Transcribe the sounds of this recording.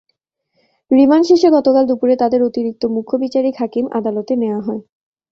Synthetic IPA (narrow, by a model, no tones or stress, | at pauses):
ɾimanʃeʃeɡɔt̪okald̪upuɾet̪ad̪eɾot̪iɾik̚t̪omukʰːobit͡ɕaɾikɦakimʔa̰d̪alot̪eneoaɦɔe